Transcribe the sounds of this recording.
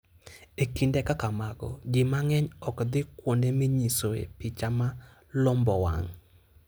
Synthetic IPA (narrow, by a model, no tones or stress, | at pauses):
ekindekakamaɡɔ̰ɡɪmaŋɛɲɔkd̪ɪkwondemiɲisoḛpɪt͡ʃama | lɔmbɔwa̰ŋ